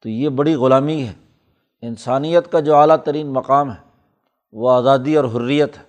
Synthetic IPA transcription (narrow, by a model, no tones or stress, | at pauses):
t̪oːjeːbɐɽiɣʊlaːmiɦɛː | ɪnsaːnijət̪kad͡ʒoːaːlat̪əɾiːnmɐqaːmɦɛ | ʋoaːzaːd̪iɔːɾɦʊɾːijət̪ɦɛː